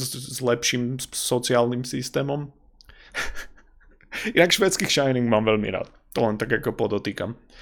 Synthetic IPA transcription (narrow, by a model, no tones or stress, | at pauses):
zlɛpʃiːmsɔt͡siaːlnimsist̪ɛːmɔm | inakʃʋɛːt͡skiːxʃaɪniŋɡmaːmʋɛlmḭɾa̰ːt̪̚ | t̪ɔlɛnt̪aɡakɔpɔd̪ɔt̪iːkam